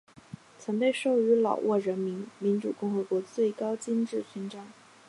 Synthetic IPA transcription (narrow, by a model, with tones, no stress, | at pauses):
t͡sʰɤ˧˥ŋpe˥˧ɪʂo˥˩ʊy˧˥lɑ̰˨˩ʊwʔɔ˥˩ɻə˧˥nmi˧˥nmi˧˥nʈ͡ʂṵ˨˩kʊ˥˩ŋxɤ˧˥kwɔ˧˥t͡swe˥˩ɪkɑ˥ʊt͡ɕi˥nʈ͡ʂɻ̩˥˩ɕʰnʈ͡ʂɑ˥ŋ